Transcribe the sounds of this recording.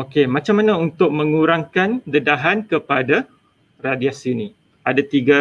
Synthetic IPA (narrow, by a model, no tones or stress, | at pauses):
okemãt͡ʃamanãunt̪ʊk̚mə̃ŋuɾaŋkandədaɦankəpada | radiasinĩ | adat̪iɡa